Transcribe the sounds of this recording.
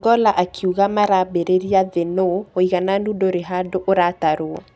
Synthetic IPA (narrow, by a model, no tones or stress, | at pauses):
ɡɔlaʔakʰiuɣamaɾabeɾeɾiaðenooiɣananudoɾeɦadoʔoɾataɾoɔ